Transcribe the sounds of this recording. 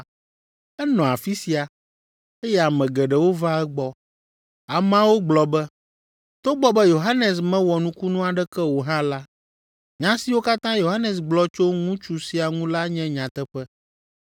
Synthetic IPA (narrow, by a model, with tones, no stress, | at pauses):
ɛ˦nɔ̃˨a˨fi˦si˦a˨ | e˦jɛ˦a˨mɛ̃˨ɡɛ˨ɖɛ˨wo˦va˦ɛ˦ɡ͡bɔ˦ | a˨m˦ã˦wo˦ɡ͡blɔ˨bɛ˦ | t̪o˦ɡ͡bɔ˦bɛ˦jo˨ɦa˦nɛ˨s̬mɛ̃˦wɔ˨nũ˦ku˦nũ˦a˨ɖɛ˦kɛ˦wo˨ɦã˦la˦ | ɲã˦si˨wo˦ka˦t̪ã˦jo˨ɦa˦nɛ˨s̬ɡ͡blɔ˦t͡ʃo˦ŋũ˦t͡ʃu˨si˨˦a˨ŋũ˦la˦ɲɛ̃˦ɲã˨t̪ɛ˦ɸɛ˦